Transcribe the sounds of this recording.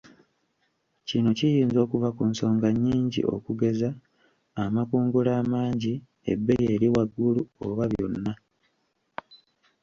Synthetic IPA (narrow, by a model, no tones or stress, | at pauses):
cino̞cijiːnzo̞ːkuvakunso̞ːŋɡaɲːiːɲɟḭʔo̞̰kuɡe̞zaː | makuːŋɡulaːmaːɲɟi | e̞̰bːe̞je̞ːɾiwaɡːuluo̰βaβjo̞̰nːa